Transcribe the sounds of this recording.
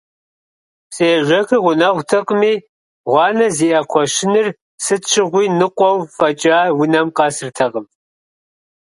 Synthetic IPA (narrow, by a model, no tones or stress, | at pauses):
seːʒʷɐxɨʁʷʊnɐʁʷtʰɐqʼmiː | ʁʷɑːnɐziːʔɐqʷʰɔʃɪnɨr | sɨtt͡ʃʰɪʁʷiːnɨqʷʼɔwfɐt͡ʃʼaːwʊnɐmqɑːsɨrtʰɐqəm